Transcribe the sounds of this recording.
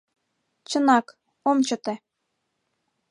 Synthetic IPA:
t͡ɕɤ̆nɑk | omt͡ɕɤ̆t̪e

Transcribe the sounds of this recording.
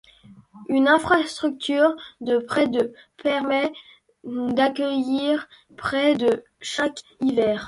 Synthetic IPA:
ynɛ̃fχast̪χyk̚t̪yʁd̪əpχɛd̪əpɛʁmɛ | d̪akʲəjiʁ | pχɛd̪ə | ʃak | ivɛːʁ

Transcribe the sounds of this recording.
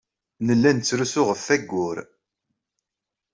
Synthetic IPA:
nəlːænt͡sːɾusʊʁəfːæɡːʊɾ

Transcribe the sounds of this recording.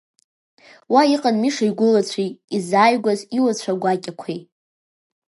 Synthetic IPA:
waiqʼanmiʂajɡʷʊlat͡ɕʷʰijizaːjɡʷaziwat͡ɕʷʰaɡʷakʲʼakʷʰej

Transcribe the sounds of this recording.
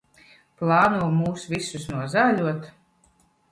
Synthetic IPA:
plˠɑːnuɔmuːsvisusnuɔzaːlʲuɔt̪

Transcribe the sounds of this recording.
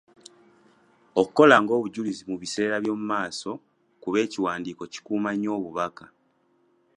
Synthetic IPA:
o̞kukːo̞laŋɡo̞ːβuɟulizimuβise̞ːɾaβjo̞ːmumaːso̞ | kuβe̞ːciwaːndiːko̞ci̥kuːmaɲo̞ːβuβaka

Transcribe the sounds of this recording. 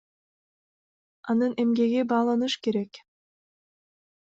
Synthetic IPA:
ɑnɯne̞mɡe̞ɡibɑːlˠɑnɯʃke̞ɾek

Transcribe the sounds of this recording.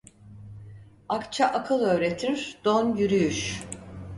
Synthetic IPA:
akt͡ʃʰaʔakʰɯlˠø̞ːɾe̞t̪ʰiɾd̪̥onjyɾyjyʃ

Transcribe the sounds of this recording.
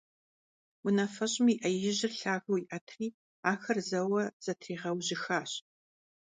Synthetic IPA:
wʊnɐfɐɕʼmiʔɐjɪʑɪrɬaːɣɐwiʔɐtʰriː | aːxɐrzɐwɐz̥ɐtʰriːʁɐwʑɪxaːɕ

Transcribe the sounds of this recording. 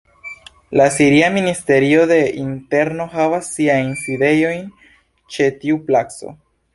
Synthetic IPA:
lasiɾiaministe̞ɾio̞de̞inte̞ɾno̞ɦavasːiajnside̞jo̞jn | t͡ʃe̞tiuplakso̞̰

